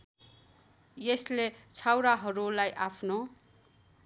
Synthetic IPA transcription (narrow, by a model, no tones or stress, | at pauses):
jeslet͡sʰawɾaɦʌɾulajʔapʰno